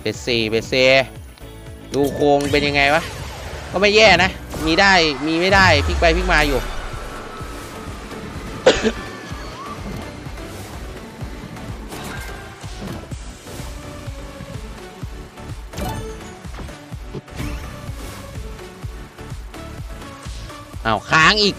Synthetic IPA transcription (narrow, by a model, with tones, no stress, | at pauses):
pe˨˩siː˨˩pe˨˩seː˧ | duː˧kʰoː˧ŋpe˧nja˧ŋa˧jwa˦˧˥kɔ˥˩ma˥˩jɛː˥˩na˧˥˨miː˧daː˥˩jmiː˧ma˥˩jdaː˥˩jpʰi˧˥˩k̚pa˧jpʰi˦˥˩k̚maː˧juː˨˩ | ʔa˧˩wkʰaː˨˦ŋʔiː˨˩k̚